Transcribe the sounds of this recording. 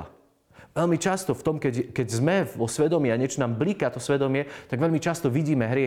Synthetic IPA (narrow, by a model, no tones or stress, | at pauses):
a̰ | ʋɛlmit͡ʃast̪ɔft̪ɔmkɛɟkɛɟzmɛɔsʋɛd̪ɔmiaɲɛt͡ʃɔnaːmblikat̪ɔsʋɛd̪ɔmɪɛt̪aɡʋɛlmit͡ʃast̪ɔʋiɟiːmɛɦɾɪɛ